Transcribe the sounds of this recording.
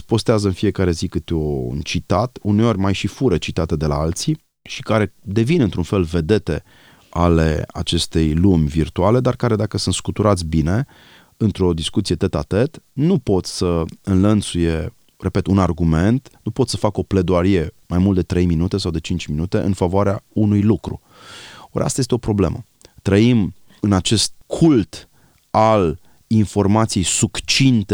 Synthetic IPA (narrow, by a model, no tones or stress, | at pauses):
po̞st̪eazəɨnfije̞kaɾe̞zikɨt̪o̰nt͡ʃit̪at̪une̞o̞rʲmajʃifuɾet͡ʃit̪at̪ed̪e̞la̰alt̪si | ʃi̥kaɾe̞d̪e̞vinɨnt̪ɾunfe̞lve̞d̪e̞t̪e̞̰ | ale̞̰a̰t͡ʃe̞st̪e̞jlumʲvirt̪uale̞d̪arkaɾe̞d̪akəsɨnt̪skut̪uɾat̪sʲbine̞ | ɨnt̪ɾo̞d̪iskut̪sije̞t̪et̪at̪et̪nupo̞t̪sʲsəɨnlənt̪suje̞ | re̞pe̞t̪unarɡume̞nt̪nupot̪səfako̞ple̞d̪oaɾije̞majmult̪d̪e̞t̪ɾe̞jminut̪e̞sawd̪e̞t͡ʃint͡ʃʲminut̪e̞ʔɨ̰nfavoaɾeaunujlukɾṵ | o̞̰ɾʔa̰st̪ajest̪eopɾo̞ble̞̰mə̰ | t̪ɾəim | ɨnat͡ʃe̞st̪̚kʰult̪ | al | info̞rmat̪sije̞jsukt͡ʃint̪e